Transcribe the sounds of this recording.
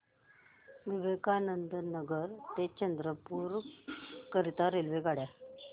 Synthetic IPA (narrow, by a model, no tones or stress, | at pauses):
ʋiʋekanənd̪nəɡəɾt̪et͡ɕənd̪ɾəpuɾ | kəɾit̪aɾelʋeɡaɽja